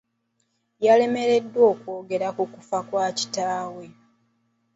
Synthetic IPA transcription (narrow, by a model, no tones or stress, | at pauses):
jale̞me̞ɾe̞dːwo̞ːkwo̞ːɡe̞ɾakukufakwaːci̥taːwe̞